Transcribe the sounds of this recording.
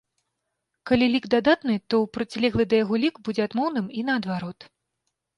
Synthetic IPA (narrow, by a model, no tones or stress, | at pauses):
kalʲilʲiɡd̪ad̪at̪nɨt̪ɔwpɾɨt͡sʲlʲɛɣlˠɨd̪ɐjaɣɔlʲikbud͡zʲɛad̪mɔwnɨminɐːd̪vaɾɔt̪